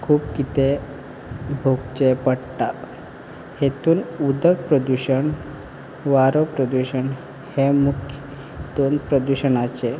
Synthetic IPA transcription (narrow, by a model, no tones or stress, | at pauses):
kʰuːpkit̪e | bʱoɡt͡ɕepəɽʈ̪a | het̪uːnud̪ʱək̚pɾəd̪uɕəɳ | ʋaɾopɾəd̪uɕəɳ | hemukʰ | d̪onpɾəd̪uɕənat͡ɕe